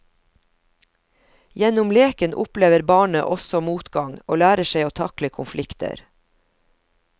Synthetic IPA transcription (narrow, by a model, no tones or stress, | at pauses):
jɛnʊmleːkənʔʊpleːʋəɾbɑːɳə̰ʔɔsɔmuːt̪ɡɑŋo̰ːlæːɾəʃeɪoːt̪ʰɑkləkʰʊnflɪkt̪ʰə̰ɾ